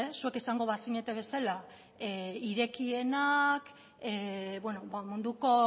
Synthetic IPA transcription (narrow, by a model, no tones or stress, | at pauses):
esue̞kesaŋɡo̞βasiɲe̞t̪e̞βe̞sala | eiɾe̞kie̞nak | eβwenoβamund̪uko̞